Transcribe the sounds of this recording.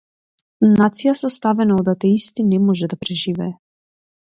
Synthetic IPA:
nat̪sijasɔst̪avɛnaɔd̪at̪ɛist̪inɛmɔʒɛd̪apɾɛʒivɛː

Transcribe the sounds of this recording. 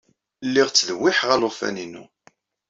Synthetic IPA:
lːiʁt͡sːðwːɪħʁalʊfæ̰ninṵ

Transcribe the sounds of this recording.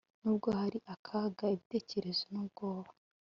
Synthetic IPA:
nuːbɡo̞haɾiʔakʰaːɡaiβite̞ːce̞ɾe̞zonubɡo̞ːβa

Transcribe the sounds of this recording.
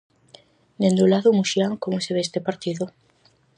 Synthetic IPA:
nend̪ulaðʊmuʃjaŋkomʊseβeest̪epaɾt̪iðʊ

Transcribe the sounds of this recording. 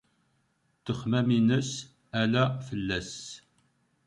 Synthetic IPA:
t̪əχmæminəs | ælæfəlːæs

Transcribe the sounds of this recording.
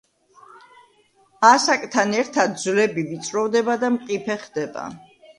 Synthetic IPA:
asakʼt̪ʰanɛɾt̪ʰad̪̚d̪zlɛbivit̪sʼɾɔvd̪ɛbad̪amqʼipʰɛχd̪ɛba̰

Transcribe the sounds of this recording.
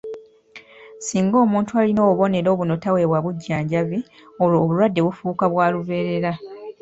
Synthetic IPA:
siːŋɡo̞ːmuːntualino̞ːβo̞ne̞ɾo̞ːβuno̞tawe̞βwaβuɟːaːɲɟaβi | oloːβulwadːe̞βufuːkaβwaːluβe̞ːɾe̞ɾa

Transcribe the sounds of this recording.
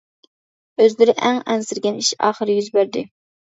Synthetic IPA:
øzlɪɾɪʔæŋɛnsɪɾɡʲɛniʃɑ̰ːχəɾɪjyzbæɾd̪ɪ

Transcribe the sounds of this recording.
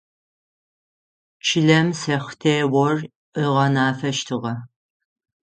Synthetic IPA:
t͡ʃʰɪɮɐmsɐχʷtʰeːwɔr | ʔəʁɐnaːfɐʃtʰɨʁɐ

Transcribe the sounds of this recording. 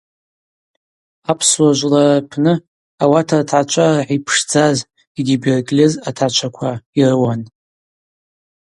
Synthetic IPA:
apʰswaʒʷlarapʰnɨ | awatʰartʰat͡ʃʷʰʼarħipʰʂd͡zaz | iɡʲiberkʼlʲezatʰat͡ʃʷʰakʷʰairwan

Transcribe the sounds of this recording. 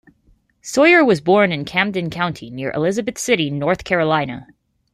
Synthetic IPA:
sɔɪə˞wʌzbɔɹnɨ̃nkʰæ̃mdɨ̃nkʰãʊ̃ntʰinɪɹʔɨ̰lɪzɨbɨθsɪɾinɔɹθkʰɛɹəlãɪ̃nə̰

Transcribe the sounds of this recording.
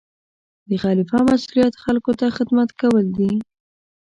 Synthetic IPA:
d̪əxɑlɪfɑmasulijat̪xalkot̪axɪd̪mat̪kawəld̪i

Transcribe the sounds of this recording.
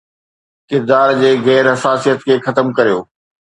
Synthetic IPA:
kɪɾd̪aːɾd͡ʑeːɣɛːɾɦɐsaːsijət̪kʰeːxɐt̪əmkɐɾijoː

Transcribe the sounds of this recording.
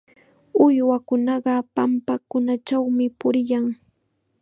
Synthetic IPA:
ʊjwakʊnɑɢɑpampakʊnat͡ʃawmɪpʊɾɪjaŋ

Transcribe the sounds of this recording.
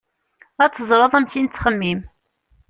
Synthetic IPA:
æt͡sːəzˤɾˤəðˤæmçint͡sːχəmːim

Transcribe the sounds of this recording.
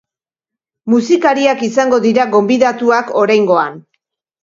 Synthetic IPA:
musikaɾiakisaŋɡo̞ðiɾaɡo̞mbiðat̪uako̞ɾajŋɡo̞an

